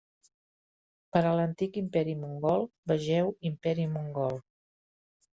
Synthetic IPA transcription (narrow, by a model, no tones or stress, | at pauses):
pəɾələnt̪ikimpɛɾimuŋɡɔlˠbəʒɛwimpɛɾimuŋɡɔlˠ